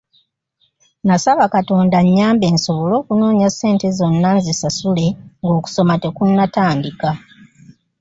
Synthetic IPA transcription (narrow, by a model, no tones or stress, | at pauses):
nasaβakato̞ːndaɲːaːmbe̞ːnso̞βo̞lo̞ːkuno̞ːɲiasːe̞ːnte̞zo̞nːanzisasule̞ŋɡo̞ːku̥so̞mate̞kunːataːndika